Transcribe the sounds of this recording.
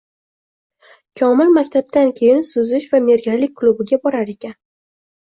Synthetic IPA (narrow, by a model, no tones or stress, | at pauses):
kʲʰɒmɪlmakʲt̪ʰab̚t̪ankʲʰe̞jɪnsʊzɪʃvame̞ɾɡʲalɪk̚ʲkːlˠubɪɡʲabɒɾaɾe̞kʲan